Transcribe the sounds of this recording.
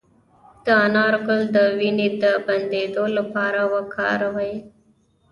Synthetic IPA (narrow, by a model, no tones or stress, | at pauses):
d̪̥əanɑɾɡʊld̪əwinid̪əbɐnd̪ed̪olapɑːɾawakʰɑ̰ːɾawai